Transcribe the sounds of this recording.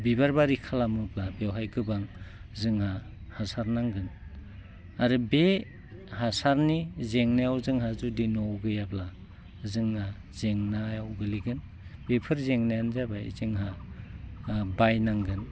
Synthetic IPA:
bibaɾbaɾikʰalamɯplabewɦajɡɯbaŋzɯŋha | hasaɾnaŋɡɯn | aɾɯbe | hasaɾnizeŋnajawzɯŋɦazudinɔwɡɯjapla | zɯŋna | zeŋnajawɡɯliɡɯn | bepʰɯɾzeŋnajanzabajzɯŋɦa | bajnaŋɡɯn

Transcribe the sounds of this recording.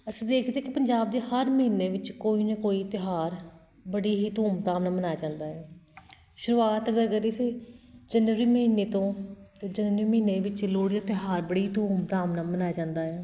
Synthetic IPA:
əsĩːd̪eːkʰd̪eːkɪpəɲd͡ʒaːb̚d̪eːhəɾməɦineːʋɪt͡ʃkoːiːnɛːkoːiːt̪ɪɦaːɾ | bəɽiːɦiːt̪uːmt̪aːmnaːmənaːjd͡ʒãːnd̪aːɛː | ʃʊɾuːaːt̪əɡəɾɡəɾiːsiːd͡ʒənʋɾiːməɦiːneːt̪õːt̪eːd͡ʒəniːməiːneːʋɪt͡ʃloːɽid͡ʒat̪ɪɦaːɾbəɽiːt̪uːmt̪aːmnaːmənaːad͡ʒãːnd̪aːɛː

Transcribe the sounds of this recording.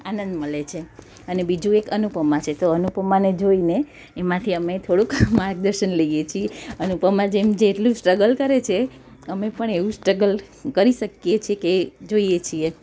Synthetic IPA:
a̰nənd̪məlet͡ʃʰe | ənebid͡ʒũekənupəmat͡ʃʰet̪oənupəmaned͡ʒoineː | mãt̪ʰiəmet̪ʰoɽukmaɾk̚d̪əɾʃənləijet͡ʃʰieənupəmãd͡ʒemd͡ʒeːʈlũsʈɾəɡəlkəɾet͡ʃʰe | əmepəɳeʋũsʈɾəɡəl | kəɾiʃəkjet͡ʃʰieked͡ʒoijet͡ʃʰie

